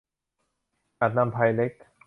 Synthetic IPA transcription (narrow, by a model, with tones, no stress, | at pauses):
ʔa˨˩t̪̚na˧mpʰa˧jle˦˥k̚